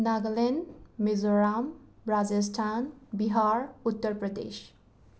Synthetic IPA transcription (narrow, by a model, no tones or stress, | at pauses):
naɡlenmezoɹambɹazesʈʰanbiɦaɹut̪ːəɾpɹɔd̪ḛʃ